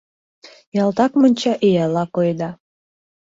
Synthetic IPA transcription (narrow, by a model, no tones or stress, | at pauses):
jɑlˠt̪ɑkmənʲt͡ɕɑʔijɑlɑkojd̪ɑ